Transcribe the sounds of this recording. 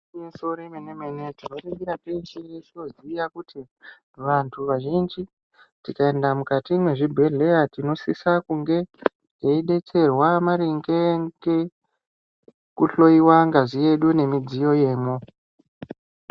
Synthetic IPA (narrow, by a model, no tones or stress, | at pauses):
so̞ɾemeneme̞ne̞tino̞ɾeɡiɾapensijesino̞zijakutʰi | ʋantʰuʋaʒind͡ʒi | tikae̞ndamukatimweʐibʱe̞ɮe̞jatino̞sisakuŋɡe̞ | jeiɗe̞t͡se̞rwamaɾiŋɡeŋɡe | kuɬo̞iwaŋɡazije̞ɗune̞mid͡zijo̞je̞ːmo